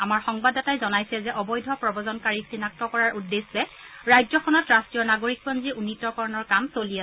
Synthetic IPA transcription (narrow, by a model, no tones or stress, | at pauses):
amaɹxɔŋbadɔtajzɔnajsɛzɛʔɔbɔjdʱɔpɹɔbɔzɔnkaɹisinak̚tɔkɔɹaɹʔudːeszɛɹajzɔkʰɔnɔtɹastijɔnaɡoɹik̚bɔnziunːitɔkɔɹɔnɔɹkamsolia